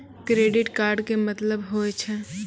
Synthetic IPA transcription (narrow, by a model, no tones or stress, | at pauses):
kɾeːɖɪʈkaːɾɖkemɐt̪ləbɦoːet͡ʃʰɛ